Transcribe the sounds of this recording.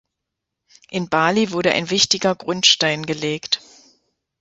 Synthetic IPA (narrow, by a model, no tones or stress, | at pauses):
ʔɪnbaːlivʊɐɾəʔa̰ɪnvɪçtɪɡɐɡʁʊntʃtaɪnɡəleːkt